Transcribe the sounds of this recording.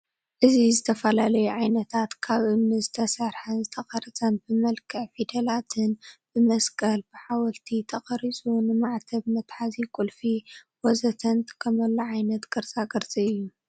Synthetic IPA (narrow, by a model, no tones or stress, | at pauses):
ʔɨzizɨt̪ʰɐfɐlalɐjuʕajnɐt̪ʰat̪kʰaβʔɨβnɨzɨt̪ʰɐsɐɾħazɨt̪ʰɐχʼɐɾɐt͡sʼɐnbɨmɐlkʰɨʕfid̪ɐlat̪ʰɨnb̥ɨmɐskʼɐlbɨħawɐlt̪ʰit̪ʰɐxʼɐɾisʼunɨmaʕt̪ʰɐβmɐt̪ʼħazikʼulfi | wɔzɐt̪ʰɐnt̪ʰkʰɐmɐlːɐʕajnɐt̪ɡɐɾzʼaɡɐɾt͡sʼɐɨjːu